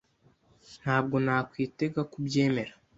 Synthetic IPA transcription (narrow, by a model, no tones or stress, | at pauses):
n̥haːb̚ɡo̞naːkwiːte̞ɡakubɟe̞ːme̞ɾḁ